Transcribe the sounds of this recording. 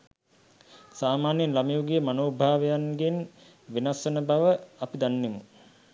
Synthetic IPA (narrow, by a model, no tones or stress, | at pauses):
saːmaːnjinlamjuːɡijəmanoːbʱaːʋejanɡen | ʋinasənəbaʋəapid̪anːemu